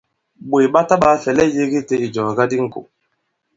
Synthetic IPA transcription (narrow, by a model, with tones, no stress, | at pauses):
ɓo˨jɓa˦ta˦ɓa˦fɛ˨lɛ˦je˦ɡi˦te˦i˨d͡ʒɔ˨ɡa˦di˦ŋ˦ko̰˨